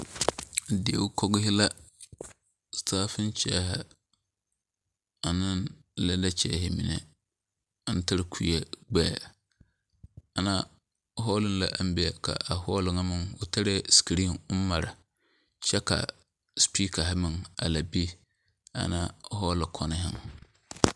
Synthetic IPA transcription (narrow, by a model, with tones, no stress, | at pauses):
dɪ˨e˨wʊ˦kʰɔ˦ɡɪ˦hɪ˦la˦ | stʰaː˦fɪ̃˦n˦t͡ʃʰɛ˦ha˦ | a˨nɪ̃˦n˦ | la˦da˦t͡ʃʰɛ̰˦˨hɪ˨mḭ̃˨nɪ̰˨˦ | n̩˦tʰa˦ɾɪ˨kʰu˦ɛ˦ɡ͡bɛː˦˨ | a˨nã˦ | ɦɔ˦lɪ˦n˦la˦ʔa˦m̩˦bi˦ɛ˨kʰa̰˨ʔa˨hɔ˦lɪ˨ŋã˦mɪ̃˨nwʊ˦tʰa˦ɾɪ˦si̥˨ki˨ɾi˦ʊ˦m˦ma˨ɾa˨ | ɕɛ˦kʰa̰˨ | spʰi˦kʰa˨ɦa˦mɪ̃˨na̰˨la˨bi˦ | a̰˨nã˦ɦɔ˦lɪ˨kʰɔ˦nɪ̃˦ɦɪ̰˦m˨